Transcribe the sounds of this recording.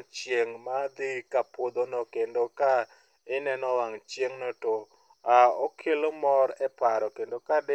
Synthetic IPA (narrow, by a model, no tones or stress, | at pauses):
t͡ʃjeŋmad̪ɪkapod̪onokendoka | ɪnɛnɔwaŋt͡ʃjeŋnoto | aɔkʰelomɔɾɛpaɾɔkendokade